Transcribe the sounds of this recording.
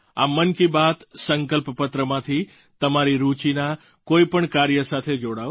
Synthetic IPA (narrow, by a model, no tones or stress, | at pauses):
a̰mənkibat̪səŋkəlppət̪ɾəmãt̪ʰi | t̪əmaɾiɾut͡ʃina | koipəɳkaɾjəsat̪ʰed͡ʒoɽaʋ